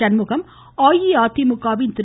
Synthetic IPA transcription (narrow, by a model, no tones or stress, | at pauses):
ɐnmukɐm | aːjiaːt̪iːmukaːʋiːnt̪ɾ